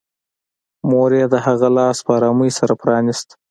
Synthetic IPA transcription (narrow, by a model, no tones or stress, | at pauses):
moɾed̪əhaɣalɑspəɑɾɑməjsaɾapɾɑnɪst̪